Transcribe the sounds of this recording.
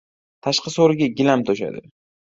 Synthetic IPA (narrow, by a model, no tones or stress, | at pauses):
t̪ʰaʃqʰɑsoɾɪɡʲaɡʲɪlamt̪ʰoʃa̰d̪ɪ